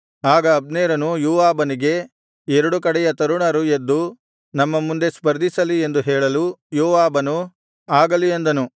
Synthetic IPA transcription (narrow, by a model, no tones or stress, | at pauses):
aːɡɐːbneːɾɐnujuːʋaːbɐniɡe̞ | ɛɾɐɽukɐɽɛjɐt̪ɐɾuɳɐɾued̪ːu | nɐmːɐmund̪e̞spɐɾd̪isɐlie̞nd̪uɦɛːɭɐlujuːʋaːbɐnu | aːɡɐliend̪ɐnu